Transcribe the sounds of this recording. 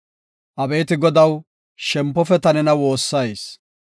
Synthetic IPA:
ʔɐbe̞ːt̪ɪɡɔd̪ɐw | ʃɛmpːɔfɛt̪ɐnɛnɐwoːsːɐjs

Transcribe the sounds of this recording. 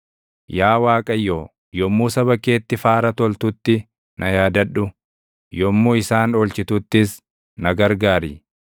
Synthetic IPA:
jaːwaːkʼɐjːoː | jɔmːuːsɐβɐke̞ːt̪ːɪfaːɾɐt̪ɔlt̪ʊt̪ːɪ | nʔɐjaːd̪ɐᶑːʊ | jɔmːuːɪsaːnoːlt͡ʃɪt̪ʊt̪ːɪs | nɐɡɐɾɡaːɾḭː

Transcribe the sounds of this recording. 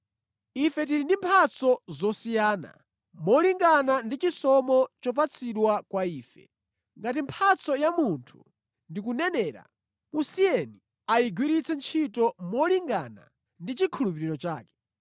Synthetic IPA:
ifɛt̬iɾindimpʰat͡sʰɔzɔsijaːna̰ | mɔliŋɡanandit͡ʃisɔmɔt͡ʃɔp̬at͡sʰiɗwakwaiːfɛ̰ | ŋɡat̬impʰat͡sʰɔjamuntʰu̥ | ndik̬unɛnɛːɾa̰ | musijɛni | ajiɡwiɾit͡sʰɛnt͡ʃʰitɔmɔliŋɡa̰na̰ | ndit͡ʃikʰulupiɾiɾɔt͡ʃaːkɛ̥

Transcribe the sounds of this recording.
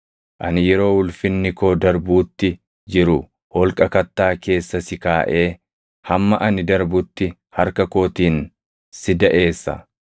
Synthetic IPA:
ʔɐnɪjɛɾo̞ːwʊlfɪnːɪkoːd̪ɐɾbuːt̪ːɪ | d͡ʒɪɾʊ | hɔlkʼɐkɐt̪ːaːke̞ːsːɐsɪkaːʔe̞ː | hɐmːɐʔɐnɪd̪ɐɾbʊt̪ːɪ | hɐɾkɐko̞ːt̪iːn | sɪd̪ɐʔe̞ːsːɐ̰

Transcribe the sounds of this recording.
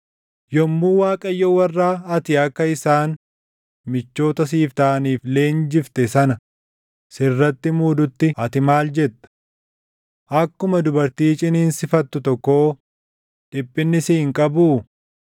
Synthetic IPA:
jɔmːuːwaːkʼɐjːowɐrːaːɐt̪ɪɐkːɐɪsaːn | mɪt͡ʃːo̞ːt̪ɐs̬iːft̪ɐʔɐniːfle̞ːnd͡ʒɪft̪ɛsɐnɐ | sɪrːɐt̪ːɪmuːd̪ʊt̪ːɪɐt̪ɪmaːld͡ʒɛt̪ːɐ̥ | ʔɐkːʊmɐd̪ʊbɐɾt̪iːt͡ʃʼɪniːnsɪfɐt̪ːʊt̪ɔkːoː | ᶑɪpʼːɪnːɪsiːɪŋkʼɐbu

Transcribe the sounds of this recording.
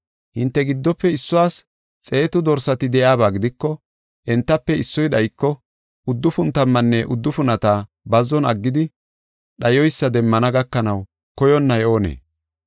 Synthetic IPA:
hɪnt̪ːɛɡɪd̪ːɔpːɛɪsːʊwaːs | t͡sʼe̞ːt̪ʊd̪ɔɾsɐt̪ɪd̪ɛjaːbaːɡɪd̪ɪkːɔ | ʔɛnt̪ːɐpːɛɪsːɔjɗɐjkːɔ | ʊd̪ːʊfʊnt̪ɐmːɐnːɛʔʊd̪ːʊfʊnɐt̪aː | bɐzɔnɐɡːɪd̪ɪ | ɗɐjɔjsːɐd̪ɛmːɐnɐɡɐkːɐnɐw | kɔjɔnːɐjo̞ːnḛː

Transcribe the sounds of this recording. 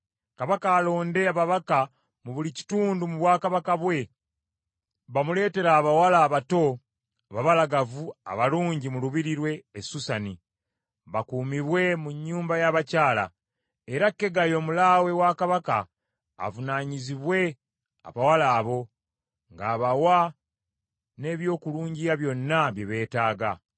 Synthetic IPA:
kaβakaːlo̞ːnde̞aβaβaka | muβulici̥tuːndumuβwaːkaβakaβwe̞ | βamule̞ːte̞ɾaːβawalaːβato̞ | βaβalaɡavua̰βaluːɲɟimuluβiɾiɾwe̞ːsusani | βakuːmiβwe̞muɲːuːmbajaβacaːla̰ | eɾakːe̞ɡajo̞ːmulaːwe̞waːkaβaka̰ː | vunaːɲiziβwe̞ | a̰βawalaːβo̞ | ŋɡaːβawa | ne̞ːβjo̞ːkuluːɲɟijaβjo̞nːaβjeβe̞ːtaːɡa

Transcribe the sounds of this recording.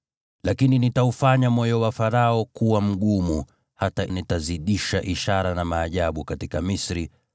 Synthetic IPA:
lakininitaufaɲamɔjɔwafaɾaɔkuwam̩ɠumu | hatanitaziɗiʃaʔiʃaɾanamaːʄaɓukatikamisɾi

